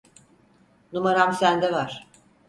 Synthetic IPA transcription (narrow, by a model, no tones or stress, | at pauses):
numaɾamsænd̪ɛvaɾ̥